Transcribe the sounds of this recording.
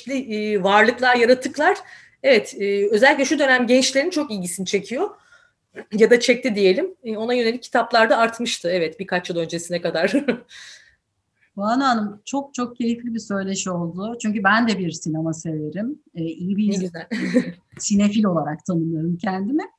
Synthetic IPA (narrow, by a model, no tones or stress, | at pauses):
lʲivaɾlˠɯklˠaɾjaɾat̪ʰɯklˠaɾ̥ | ɛvɛt̪ːø̞zɛlʲiclʲɛʃud̪ø̞næmɟɛnt͡ʃlʲe̞ɾint͡ʃʰo̞kilɟisint͡ʃʰe̞cʰijo̞ | jad̪at͡ʃʰɛc̚t̪ʰid̪ije̞lʲimo̞najøneicʰːi̥t̪ʰaplˠaɾd̪aːɾt̪mɯʃt̪ʰɯɛvɛt̪biɾkʰat͡ʃjɯlˠø̞nd͡ʒe̞sinɛkad̪aɾ̥ | bananɯmt͡ʃʰo̞k̚t͡ʃʰo̞k̚cʰe̞ɾiflʲibisø̞jlʲeʃio̞lˠd̪ʊt͡ʃʰyɲcybænd̪ɛbiɾsinemase̞ve̞ɾimːijibi | sine̞filʲo̞lˠaɾak̚t̪ʰanɯmɯjo̞ɾumcʰænd̪imɛ